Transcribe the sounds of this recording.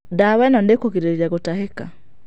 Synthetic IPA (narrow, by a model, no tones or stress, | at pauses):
dawɛnɔndekokiɾeɾɾjaɣotaɦeka̰